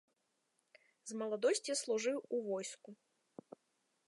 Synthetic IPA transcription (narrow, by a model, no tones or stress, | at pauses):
zmɐlˠad̪ɔsʲt͡sʲislˠuʐɨwuvɔjsku